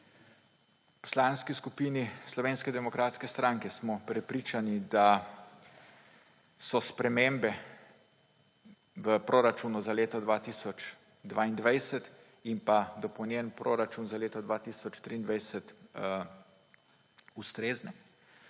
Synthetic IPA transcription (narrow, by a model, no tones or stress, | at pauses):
pɔ̥slaːnskiskupiːnislɔʋeːnskɛd̪ɛmɔkɾaːt̪skɛst̪ɾaŋkɛsmɔpɾɛpɾiːt͡ʃanid̪a | sɔspɾɛmembɛ | ʋəpɾoɾat͡ʃunuzaleːt̪ɔd̪ʋaːt̪iːsɔt͡ʃ | d̪ʋaːind̪ʋajsɛt̪ | impad̪ɔpɔwnjɛnpɾʔoɾat͡ʃunzaleːt̪ɔd̪ʋaːt̪iːsɔt͡ʃt̪ɾiːnd̪ʋajsət̪ | ust̪ɾeːznɛ